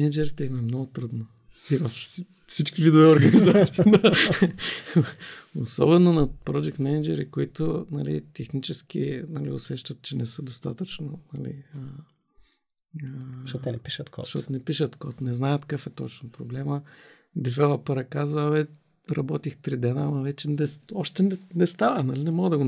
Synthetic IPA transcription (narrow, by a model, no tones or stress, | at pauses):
ɛnɛd͡ʒɛɾit̪ɛimɛmnɔɡʊt̪ɾəd̪no | ivɐf | sit͡ʃkʲivid̪ʊvɛoɾɡɐnizat̪siːd̪a | osɔ̰bɛnonɐpɾɔd͡ʒɛk̚t̪mɛnɛd͡ʒɛɾikoit̪onɐlḭt̪ɛxnit͡ʃɛsk̟ḭnɐlḭʊsɛʃt̪ɐt̪̚t͡ʃɛnɛsəd̪ost̪at̪ət͡ʃnonɐlḭə | ʃɛiʃət̪kɔʃtɔt̪nɛpiʃət̪kɔt̪nɛznajət̪kafɛt̪ɔt͡ʃnopɾoblɛmə | d̪ifɛlˠɐpɛɾɐkazvəvɛ | ɾɐbɔt̪ixt̪ɾid̪ɛnaːmɐvɛt͡ʃɛnɛɔʃt̪ɛnɛnɛst̪avənɐlinɛmɔɡəd̪ɐɡo